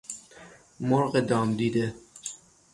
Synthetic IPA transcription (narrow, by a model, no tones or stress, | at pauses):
moɾɣed̪ɒːmd̪iːd̪e